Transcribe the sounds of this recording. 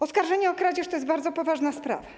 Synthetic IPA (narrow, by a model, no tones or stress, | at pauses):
ɔskaɾʐɛɲɛɔkɾad͡ʑɛʂt̪ɔjɛsbaɾd̪zɔpɔvaʐnaspɾa̰va